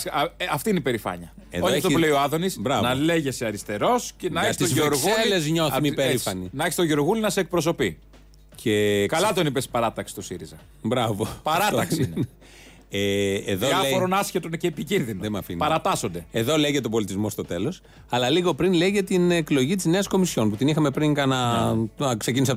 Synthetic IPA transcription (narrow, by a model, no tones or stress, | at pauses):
ɐft̪iineipe̞ɾifɐ̰ɲɐeðooft̪opleioɐðo̞nisbɾɐnɐleʝeseɐɾist̪e̞ɾo̞scenɐest̪iozeoɾɣuelezɲoθmipeɾifɐninɐeçist̪oʝeoɾɣulinɐsek̚pɾos̬o̞pi | cʰekɐlɐt̪o̞nipespɐɾɐt̪ɐksi̥t̪osiɾizɐ | bɾɐvopɐɾɐt̪ɐksine | eːðoɐeoɾonɐsçet̪onceːpicinðinoðemɐfḭnpɐɾɐt̪ɐsond̪e̞e̞ðo̞leʝet̪obo̞lit̪izmo̞st̪o̞t̪e̞lo̞s | ɐlɐliɣo̞pɾinleʝet̪ineklo̞ʝit̪izne̞ɐsko̞misço̞nput̪inixɐmepɾiŋkɐnɐ | kse̞cinis̬eɐ